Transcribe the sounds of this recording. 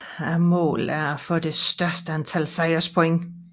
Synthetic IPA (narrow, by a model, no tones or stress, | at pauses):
æmɔ̰̽ːlæɐæfɔ̽d̥e̝sd̥ɶɐsd̥əænt͡sʰælsɑɪɐspʰoeŋ